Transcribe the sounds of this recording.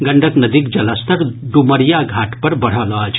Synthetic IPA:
ɡɐɳɖʱək̪nɐd̪ikd͡ʒɐlɐst̪ɐɾɖumɐɾjaɡʱaːʈpɐɾbɐɽ̤alaːt͡ʃʰ

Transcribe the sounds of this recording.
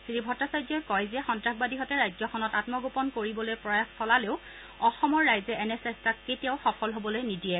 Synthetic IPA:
siɹibʱɔtːasajd͡ʒɔkɔjzɛxɔntɹaɡ̚badiɦɔtɛɹajzɔxʰɔnɔtatmɔɡopɔnkoɹibɔlojpɹɔjaxsɔlaleʊ | ɔxɔmɔɹːajzɛʔɛnɛsɛstakketiaʊxɔfʰɔlɦobɔlojnidijɛ

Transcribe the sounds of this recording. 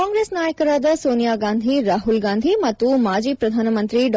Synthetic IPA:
aːŋɡɾeːsnaːjɐkɐɾaːd̪ɐsoːnijaːɡaːnd̪ʱiɾaːɦulɡaːnd̪ʱimɐt̪ːumaːd͡ʒiːpɾɐd̪ʱaːnɐmɐnt̪ɾiɖ

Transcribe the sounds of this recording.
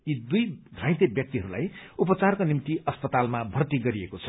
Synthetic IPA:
id̪ujdʱrãj̃t̪ebjʌk̚t̪iɦʌɾula̰jupʌt͡sarkonimt̪iʔʌspʌt̪almabʱʌrt̪iɡʌɾiekot͡sʰʌ̥

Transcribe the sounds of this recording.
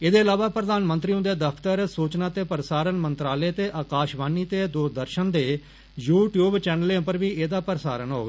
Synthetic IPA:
ɪd̪eːəlaːʋaːpɾəd̪aːnmə̃nt̪ɾiːõd̪eːd̪əpʰt̪əɾsuːt͡ʃnaːt̪eːpəɾsaːɾənmənt̪ɾaːleːt̪eːʔaːkaːʃʋaːniːt̪eːd̪oːd̪əɾʃənd̪eː | juːʈjuːbt͡ʃɛːnəlẽpəɾʋiːʔeːd̪aːpəɾsaːɾənɦoːɡaː

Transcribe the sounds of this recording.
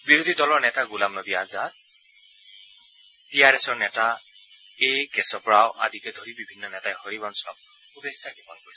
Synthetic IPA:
biɹod̪ʱidɔlɔɹnɛtaɡulamnɔdiazat | tijaɹɛsɔɹnɛta | ejkɛsɔpɹawʔa̰dʱikɛd̪ʱoɹibibʱinːɔnɛtajhɔɹibɔnsɔ̰k̚ | ubessakipɔnpɔɹisɛ

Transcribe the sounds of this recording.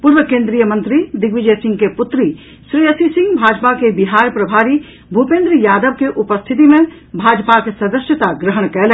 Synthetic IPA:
puɾʋəkẽːnd̪ɾijəmɐ̃nt̪ɾid̪ɪɡʋɪd͡ʒəjsɪ̃ŋɡkepʊt̪ɾi | ʃɾiːəsisɪ̃ŋɡbʱaːd͡ʒpakebɪɦaːɾpɾɐbʱaːɾi | bʱupẽːnd̪ɾəjaːd̪əʋkeʔʊpəst̪ʰɪt̪̬imẽ | bʱaːd͡ʒpakesɐd̪əʃjət̪aɡɾəɦəɳkɛle

